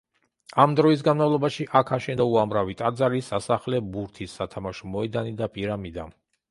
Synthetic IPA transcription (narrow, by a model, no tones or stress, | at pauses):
amd̪ɾɔis̬ɡanmavlˠɔbaʃiʔakʰaʃɛnd̪auamɾavit̪ʼad̪zaɾisasaχlɛbuɾt̪ʰisːat̪ʰamaʃɔmɔɛd̪anid̪apʼiɾamid̪a̰